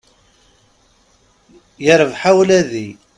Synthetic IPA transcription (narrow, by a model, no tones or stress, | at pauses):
jəɾəvħawlæði